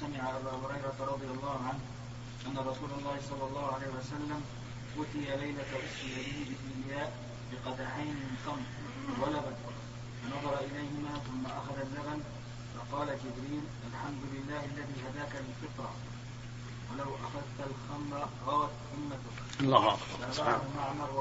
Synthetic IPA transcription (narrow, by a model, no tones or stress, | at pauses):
samɪʕaʔabaːhʊɾɑjɾˤɑt̪ɾˤɑd̪ˤɨjɑlˤːɑːhʊʕanh | ʔanːaɾˤɑsuːlɑlˤːɑːhɪsˤɑlːɑlˤːɑːhʊʕalajhɪwasalːam | ʔʊːt̪ɪjalajlat̪wʔʊsɾɪjab̪ɪhɪbɪʔalɪjaːʔ | bɪqɑd̪aʕajnmɪnxɑmɾ | walabat̪ | fɑnɑðˤɑɾˤɑʔɪlajhɪmaːθʊmːaʔaxaðazːaman | fɑqɑːlad͡ʒɪbɾiːnʔalħamd̪ʊlɪlːaːhalːaðiːhad̪aːkaɪlfɨt̪ˤɾɑ | walawʔaxaðt̪alxamɾɑɣɑːɾɑt̪ʔʊmːat̪ʊ | lːɑːha̰kb̰ɾaʔɑɾaalmaʕmɑɾˤ